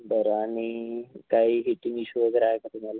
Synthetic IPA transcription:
bəɾanikaiɦiʈiŋɡiɕuʋəɡəɾaekat̪umala

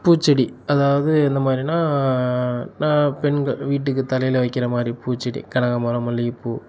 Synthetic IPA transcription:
puːt͡ʃːɐɽiɐðaːʋɐðɯɛnd̪ɐmaːd̪ɾinaː | naːpɛɳɡɐɭʋiːʈːɯkːɯt̪ɐlɐjɪlʋɐɪkːɪɾɐmaːd̪ɾipuːt͡ʃːɐɽḭkɐɳɐɣɐmɐɾɐmɐlːiɪpuː

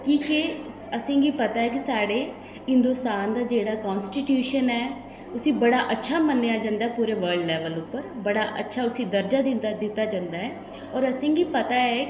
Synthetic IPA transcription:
kiːke | əsẽːɡiːpət̪aːɦɛːkisaːɽeː | ɪ̃nd̪oːst̪aːnd̪aːd͡ʒeːɽaːkɔːnsʈiːʈjuːʃənɛː | ʊsĩːbəɽaːʔətːʃʰaːmənːejaːd͡ʒãːnd̪aːɦɛːpuːɾeːʋəɾɖlɛːʋəlʊpːəɾbəɽaːʔə̰tːʃʰaːʊsĩːd̪əɾd͡ʒaːd̪ɪt̪ːaːd͡ʒãnd̪aːɦɛː | ɔːɾəsẽːɡiːpət̪aːɛː

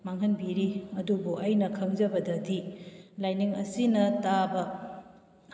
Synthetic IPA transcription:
maŋɦɐnbiɾiɐdubuʔɐjnɐkʰɐŋzɐbɐdɐdilajniŋɐsinɐtabɐ

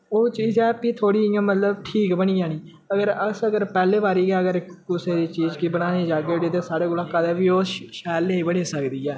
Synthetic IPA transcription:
oːt͡ʃiːd͡ʒɛːpiːt̪ʰoːɽiːɪjãːmət̪ləbʈʰiːkbəniːaːniː | əɡəɾəsəɡəɾpɛːleːbaːɾiːɡɛːəɡəɾɪkkʊseːd̪iːt͡ʃiːd͡ʒkɪbənaːniːd͡ʒaːɡeɽeːt̪̬eːsaːɽeːkʊlãːkaːd̪eːʋiːoːʃɛːleːiːbəɽiːsəkd̪iːɛː

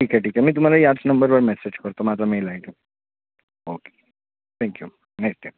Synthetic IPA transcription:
ʈʰiːkɛʈiːkɛmiːt̪̬um̤alaiasnə̃mbəɾbəɾmɛsed͡ʑkəɾt̪omaːt̪ɾameilaiʈe | oke̥ | t̪ʰɛ̃ŋkju | neksʈajm

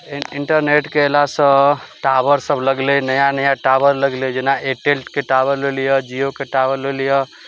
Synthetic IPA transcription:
iɳʈəɾneʈkeelasə̃ʈabəɾsəbləɡlenəjanəjaʈaʋəɾləɡled͡ʒenaʔeʈelʈkeʈaʋəɾlelijəd͡ʒiokeʈaʋəɾlelijə

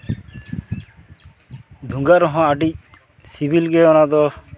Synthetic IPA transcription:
d̪ʱũŋɡaɾɔɦɔ̃aʈic̚ | sibʱilɡɛɔnad̪ɔ

